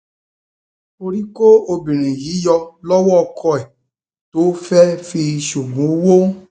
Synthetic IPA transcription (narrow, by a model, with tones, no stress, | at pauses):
o˧ɾi˦ko˦o˧bĩ˨ɾ̃ĩ˨ji˨˦jɔ˧lɔ˦wɔ˦ɔ˧kʰɔ˧ɛ˨ | to˨˦fɛ˦fi˧ʃu˨ɡũ˨˦wo˦